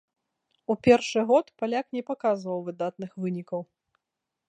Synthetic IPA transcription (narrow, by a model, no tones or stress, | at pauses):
upʲɛrʂɨɣɔt̪palʲaknʲɛpakazvɐwvɨd̪at̪nɨxvɨnʲikɐw